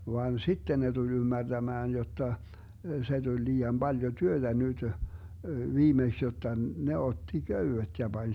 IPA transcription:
ʋɑːn sitːen ne tulʲ ymːærd̥æmæːn jotːɑ se d̥ulʲ liːɑm b̥ɑljo tyøtæ nytø ʋiːmeks jotːɑ ne otːi køywet jɑ b̥ɑnʲ

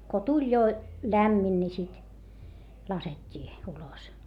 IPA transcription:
ko tulʲ jo læmːin ni sit lɑsetʲːiː ulos

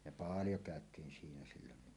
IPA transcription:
jɑ pɑːljo kæˑøtˑiːn siːnæ silːonːi

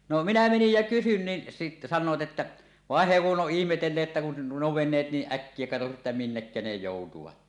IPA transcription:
no minæ menij jæ kysyn nin si sɑnˑoːt etːæ ʋɑˑen he kuʔ ʔoʔ ʔihmetelːeːt ĕtːæ kun nuo ʋenˑeːt niːʔ ʔækːie kɑtosi etːæ minːekːæ ne joˑutuʋɑt

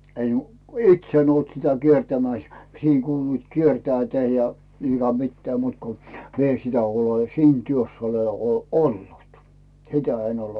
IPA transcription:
en its en olt sitæ kiertæmæˑs siˑŋ kuːluit kiertæːtæ jɑ niːŋ kɑ mitːæː muːt ko mi en sitæ ole siːn tyøsː ole ol olːut sitæ en ole

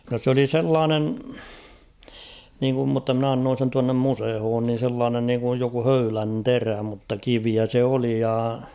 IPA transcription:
no s oli selːɑːnen niːŋkum mutːɑ mn ɑnːoːn̞ sen tuɑnːem musehoːn nin̞ selːɑːnen niːŋkuj joku høylæn teræ mutːɑ kiʋiæ se oli jɑ

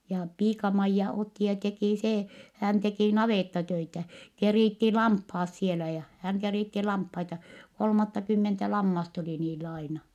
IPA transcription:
jɑ piːkɑmɑijːɑ otːi jɑ tekiˑ seː hæˑn tekiˑ nɑʋeˑtːɑtøitæ keriˑtːi lɑmphɑːs sielæ jɑ hæŋ keriˑtːi lɑmphɑitɑ kolmɑtːɑkymːentæ lɑmːɑst oli niːlː ɑinɑ

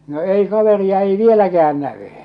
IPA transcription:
no ei kɑʋeriɑ ei ʋielækææn næʋy

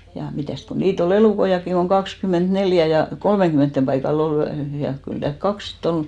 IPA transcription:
jɑ mitæˑst ku niːt ol eluˑkoij̆ɑkːiŋ koŋ kɑkskymeˑntneljæ jɑ kolmeŋɡ̊ymeˑntːem pɑikɑl ol jɑ kyl tæːlk kɑks sit ol

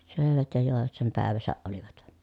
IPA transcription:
søˑeʋæt jɑ joˑeʋɑt sem pæˑeʋæsæʔ ʔoliʋɑt

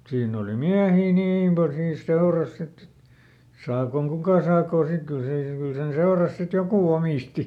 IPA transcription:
siːnː oli miæhiː niːm pɑl siːns seorɑs sitː et sɑːkoŋ kukɑˑ sɑːkoˑ sik kyl se kyl sen seorɑs sit joku omiˑsti

